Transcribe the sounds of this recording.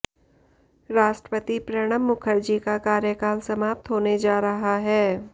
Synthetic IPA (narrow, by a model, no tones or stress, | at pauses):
ɾaːʃʈɾə̥pət̪ipɾɐɽ̃əmːʊkʰəɾd͡ʒikakaːɾjəkaːlsɐmaːp̚t̪ɦoːned͡ʒaːɾɐɦaɦɛː